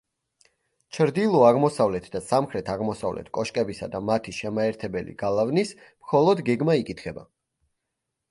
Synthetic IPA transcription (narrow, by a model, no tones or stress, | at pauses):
t͡ʃʰɾd̪ilˠɔaʁmɔsavlɛt̪ʰd̪asamχɾɛt̪ʰaʁmɔsa̰vlɛ̰t̪ʰkʼɔʃkʼɛbisa̰d̪amat̪ʰiʃɛmaɛɾt̪ʰɛbɛlḭɡ̥alˠavnis | mχɔlˠɔd̪ɡɛɡmaikʼit̪ʰχɛba̰